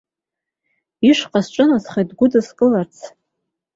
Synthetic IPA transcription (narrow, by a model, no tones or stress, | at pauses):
iʂqʼasʈ͡ʂʷʼɨnasχajtɡʷʊdɨskʼɨlart͡sʰ